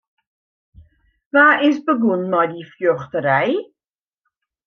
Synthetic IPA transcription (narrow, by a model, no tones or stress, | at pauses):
vaːɪsbəɡunmɔjdifjøχtəɾɛj